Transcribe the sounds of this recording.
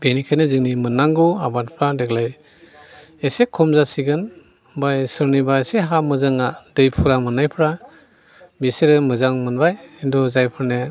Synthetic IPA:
benikʰajnezɯŋnimɯnːaŋɡuabat̚pʰɾadeklaj | esekʰɔmzasiɡɯn | bajsɯɾnibaeseɦamɯzaŋadɯjpʰuɾamɯnajpʰɾa | biseɾɯmɯzaŋmɯnbajendɔzajpʰɯɾne

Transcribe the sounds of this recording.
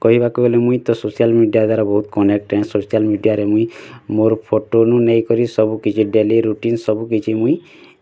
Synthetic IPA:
kɔɦibakuɡɔlemũĩt̪ɔsosijalmiɖijad̪waɾɔbɔɦut̪kɔnek̚ʈɛ̃sosialmiɖijaɾemũĩmoɾɔpʰoʈonũnejkɔɾisɔbukit͡ʃʰiɖeliɾuʈinsɔbukit͡ʃʰimũĩ

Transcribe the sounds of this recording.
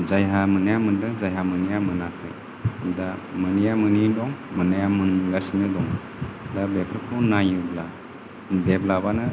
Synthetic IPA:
zajɦamɯnajamɯndɯŋzajɦamɯnijamɯnakʰɯ̰ | damɯnijamɯnidɔŋmɯnajamɯnɡasnɯdɔŋ | dabepʰɯkʰɔnajɯbla | deblabanɯ

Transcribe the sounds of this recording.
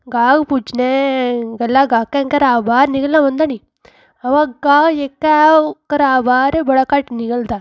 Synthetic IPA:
ɡaːɡpud͡ʒneɡɐlːaɡaːkːeŋkɐɾaːbaːɾniɡɐlːãmɐnd̪ani | ɐʋaɡaːjekːakɐɾaːbaːɾebɐɽɐkaʈniɡɐld̪a

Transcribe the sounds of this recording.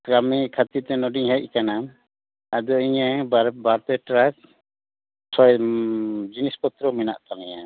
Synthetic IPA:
ɡɾamikʰat̪iɾt̪ɛnɔɖiŋɦɛc̚ˀkana | ad̪ɔiɲɛbaɾbaɾpɛʈɾak | sʰɔj | d͡ʒinispɔt̪ɾɔmɛna̰ʔt̪alɛɲa

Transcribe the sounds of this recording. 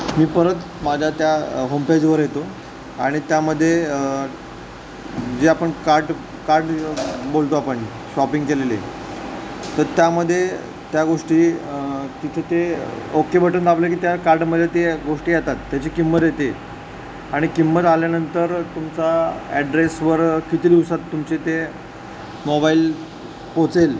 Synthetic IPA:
miːpəɾət̪ | mad͡ʑʱat̪jaɦomped͡ʑʋəɾjet̪o | aɽ̃it̪jaməd̪ʱːje | d͡ʑeapəɳkaɾɖ | kaɾɖbolt̪oapəɳːi | ɕɔpiŋɡkelelḛ | t̪əɾt̪jaməd̪ʱːje | t̪jaɡoʂʈiːt̪it̪ʰet̪eokebəʈənd̪ablekiːt̪jakaɾɖməd̪ʱːjet̪eɡoʂʈiːjat̪at̪ːjat͡ɕikimːət̪jet̪e | aɽ̃ikimːət̪aljanənt̪əɾt̪umt͡saɛɖɾesʋəɾkit̪ʰed̪iʋsat̪ːumt͡ɕet̪e | mobail | pot͡sel

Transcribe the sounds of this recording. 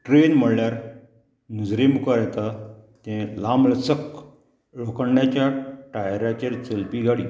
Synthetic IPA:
ʈɾenm̤əɽljaɾ | nud͡zɾimukəɾjɛt̪at̪ɛ̃lamləsək | ɭokəɳɖjat͡ɕjaʈajɾat͡ɕeɾt͡səlpiɡʱaɽiː

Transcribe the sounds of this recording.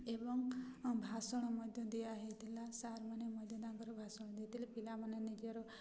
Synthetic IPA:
ebɔŋbʱasɔɽ̃ɔmɔd̪ʱjɔd̪ijaɦet̪ilasaɾmanemɔd̪ʱjɔd̪aŋɡɔɾɔbʱasɔɽ̃ɔd̪it̪ilapilamanenid͡ʒɔɾɔ

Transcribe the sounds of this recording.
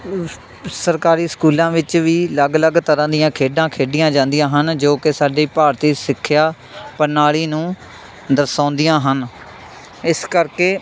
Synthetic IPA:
səɾkaːɾiːskuːlãːʋɪt͡ʃʋiːləɡləɡt̪əɾãːd̪ɪjãːkʰeːɖãːkʰeːɖɪjãːd͡ʒãːnd̪ɪjãːɦənd͡ʒoːkɪsaːɖiːpaːɾt̪iːsɪkʰːɪjaː | pənaːliːnũː | d̪əsãːnd̪ɪjãːɦən | ɪskəɾkeː

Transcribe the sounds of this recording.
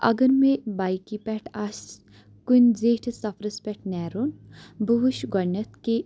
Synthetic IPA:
ɐ̰ɡəɾmebaːjkipɛʈʰas | kunzeːʈʰsɐfɾɐspɛʈʰnɛːɾunbuɦuʃɡɐnɐt̪ke

